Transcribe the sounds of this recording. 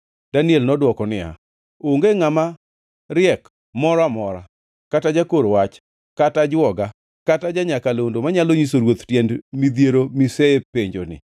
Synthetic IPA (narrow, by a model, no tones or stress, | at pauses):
d̥aniɛlnɔdwɔkɔnɪa̰ | oŋɡeŋama | ɾɪɛk | mɔɾamɔɾa | katad͡ʒakoɾowat͡ʃ | katad͡ʒwɔɡa | katad͡ʒaɲakalondomaɲaloɲis̬oɾwot̪tjɛndmid̪jeɾomiseepeɲd͡ʒonɪ̰